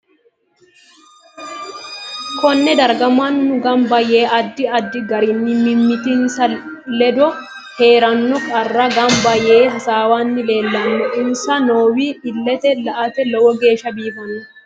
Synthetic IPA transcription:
kɔnːɛd̪ɐɾɡɐmːɐnːʊɡɐmbɐje̞ːʔɐd̪ːɪɐd̪ːɪɡɐɾɪnːɪmɪmːɪt̪ɪnsɐ | lɛd̪ɔ | he̞ːɾɐnːɔkʼɐrːɐɡɐmbɐje̞ːɦɐsaːwaːnːɪle̞ːlːɐmːɛʔɪnsɐnoːwiːɪlːɛt̪ɛlɐʔɐt̪ɛlɔwɔɡe̞ːʃɐbiːfɐnʊ

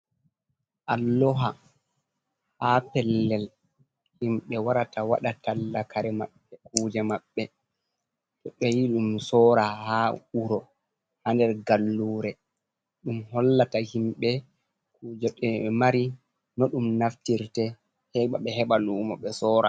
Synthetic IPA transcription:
ʔalːɔɦa | hapɛlːɛl | himɓɛwaɾatawaɗatalːakaɾɛma̰ɓːɛk̚uːd͡ʒɛmaɓːɛ | tɔɓɛjiɗumsɔɾahauɾɔ | handɛɾɡalːuːɾɛ | ɗumhɔlːatahimɓɛ | kuːd͡ʒɛɗɛmaɾi | nɔɗumnaftiɾtɛ | hɛɓaɓɛɦɛɓaluːma̰ɓɛsɔːɾa̰

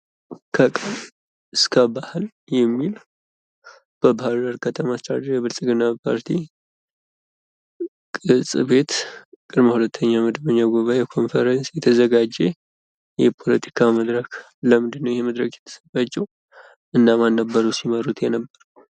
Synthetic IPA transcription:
kʰəkʼən | ʔɨskʰəbahɨl | jɛmːil | b̥əbahaɾd̪əɾkʰət̪ʰəmast̪ad̪ɾjɛβɨlsʼɨɡɨnapʰa̰ɾt̪ʰi | kʼɨsʼɨβe̞t̪kʼɨɾməhulət̪ʰːəɲːaməd̪əβəɲːaɡuβaekʰo̞nfəɾənsjɛt̪ʰəzəɡad͡ʒe | jɛpʰo̞lət̪ʰi̥kʰaməd̪ɾək | ləmɨnd̪ɨnːəwjɛheməd̪ɾəkjɛt̪ʰə̥səfat͡ʃːɛw | ʔɨnːamanːəbːəɾuwsiməɾut̪jɛnəbːəɾ

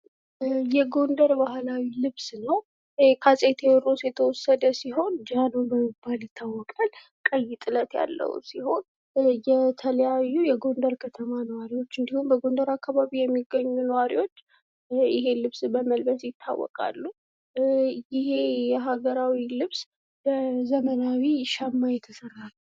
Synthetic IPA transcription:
jɛɡo̞nd̪əɾbahlawilɨβsnəw | kʰasʼet̪ʰewɔɾosjɛt̪ʰəwɔsːəd̪əsiɦo̞nd͡ʒanubəmːibːaljɪt̪ʰːawːɔkʼal | kʼəjːɪt̪ʼɨlət̪ja̰lːə̰wṵsiho̞n | jɛt̪ʰələjajːujɛɡo̞nd̪əɾkʰət̪ʰəmanəwaɾiwo̞t͡ʃːɨnd̪ihumbəɡo̞nd̪əɾakːaβaβijɛmːiɡːəɲːunəwaɾḭwo̞t͡ʃː | ʔɪɦe̞lɨβsbəməlbəsjɪt̪ʰːa̰wːɔ̰kʼa̰lːu | jɪhe̞jɛɦaɡəɾawilɨβs | əzəmənawiʃamːajɛt̪ʰəsərːalːu

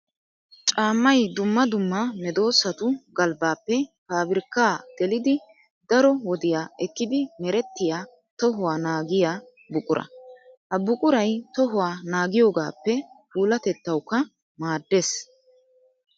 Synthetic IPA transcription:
t͡ʃʼaːmːɐjd̪ʊmːɐd̪ʊmːɐmɛd̪o̞ːsːɐt̪ʊɡɐlbaːpːɛpaːbɪɾkːaːɡ̥ɛlɪd̪ɪ | d̪ɐɾɔwɔd̪ɪjaːɛkːɪd̪ɪmɛɾɛt̪ːɪjaː | t̪ɔɦʊwaːnaːɡɪjaː | bʊkʼʊɾʔɐ̰hɐbʊkʼʊɾɐjt̪ɔɦʊwaːnaːɡɪjo̞ːɡa̰ːpːɛpuːlɐt̪ɛt̪ːɐwkːɐ | maːd̪ːeːs

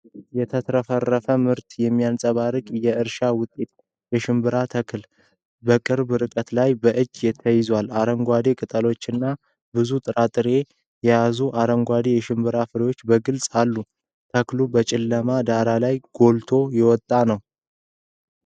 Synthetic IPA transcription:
jɛt̪ʰət̪ʰɾəfərːəfəmɨɾt̪jɛmːijansʼəβaɾɨkʼjɛɨɾʃawʊt̪ʼːe̞t̪ | jɛʃɨmbɨɾat̪ʰəkl | bəkʼɨɾbɨɾɨkʼət̪lajbəʔɨd͡ʒːjɛt̪ʰːəjɪzwalaɾəŋɡʷad̪e̞kʼɨt̪ʼəlo̞t͡ʃːɨnːa | bɨzut̪ʼɨɾat̪ʼɨɾe̞ | jɛjazuʔaɾəŋɡʷad̪e̞jɛʃɨmbɨɾafɨɾjwo̞t͡ʃːbəɡɨlsʼalːu | t̪ʰəklubət͡ʃʼɪlːəmad̪aɾalajɡ̥o̞lt̪ʰo̞jɛwɔt̪ʼːanəw

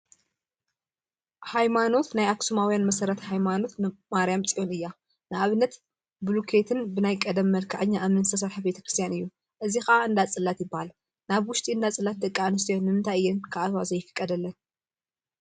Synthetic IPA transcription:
hajmano̞t̪najaksumawjanmɐsɐɾɐt̪hajmano̞t̪nɨmaɾijamt͡sʼijo̞nɨjːa | nɨaβɨnːɐt̪ | blukʰet̪ʰɨnbɨnajkʼɐd̪ɐmːɐlkʰaʕɨɲːaʔamɨnɨst̪ʰɐs̬ɐɾħabe̞t̪ʰɐ̥kɾɨst̪ʰjanɨjːu | ʔɨzixɐʔaɨnd̪at͡sʼɨlːat̪jɪbːahal | naβwʊʃt̪ʼiɨnd̪at͡sʼɨlːat̪̚d̪ɐkʼːanɨs̬t̪ʰjonːɨmɨnt̪ʰajɨjːɪnkʰaʔat̪wazɐjːɪfɨ̥kʼːɐd̪ɐlːɐn

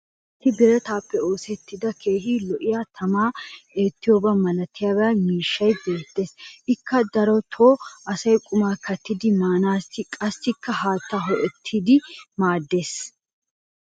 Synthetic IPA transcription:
ʔɪbɪɾɛt̪aːpːɛo̞ːsɛt̪ːɪd̪ɐkʰe̞ːɦiːlɔʔɪjat̪ʰɐmaːe̞ːt̪ːɪjoːbɐmɐlɐt̪ɪjaːbɐmiːʃːɐjbe̞ːt̪ːe̞ːsʔɪkːɐd̪ɐɾɔt̪ʰoːʔɐsɐjkʼʊmaːkʰɐt̪ːɪd̪ɪmaːnaːsɪkʼɐsːɪkːɐɦaːt̪ːɐɦɔʔɛt̪ʰːɪd̪ɪmaːd̪ːe̞ːs

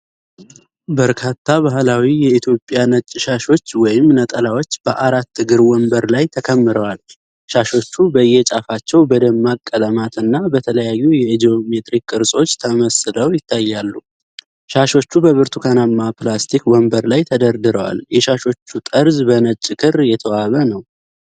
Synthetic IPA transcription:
bəɾkʰat̪ʰːaβaɦlawijɛit̪ʰjo̞pʼjanət͡ʃʼːʃaʃo̞t͡ʃːwɔjɪmnət̪ʼəlawo̞t͡ʃːb̥əʔaɾat̪ːɨɡɨɾwɔmbəɾlajt̪ʰəkʰəmːɨɾəwal | ʃaʃo̞t͡ʃːubəjːɛt͡ʃʼafat͡ʃːɛwbəd̪əmːakʼːələmat̪ɨnːabət̪ʰələjajːujɛd̪io̞me̞t̪ʼɾikʼːɨɾsʼo̞t͡ʃːt̪ʰəməsɨləwjɪt̪ʰːajːalːu | ʃaʃo̞t͡ʃːubəβɨɾt̪ʰukʰanamːaplast̪ʰikwɔmbəɾlajt̪ʰəd̪əɾd̪ɨɾəwa̰ljɛʃaʃo̞t͡ʃːut̪ʼəɾzbənət͡ʃʼːkʰɨɾjɛt̪ʰəwaβənəw

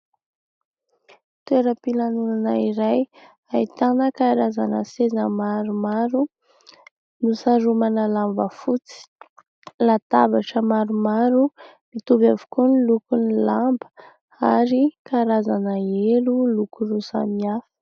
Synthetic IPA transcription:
t̪eɾəpilanunanəiɾaj | ait̪anəkaɾazanəsezəmaɾumaɾu | nusaɾumanəlambəfut͡si̥ | lat̪abaʈ͡ʂəmaɾumaɾu | mit̪ubavu̥kunilukunilambə | aɾikaɾazanəelulukuɾusa̰miafi̥

